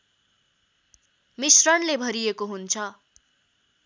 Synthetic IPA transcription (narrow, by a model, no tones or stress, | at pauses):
misrʌnlebʱʌɾiekoɦunt͡sʰʌ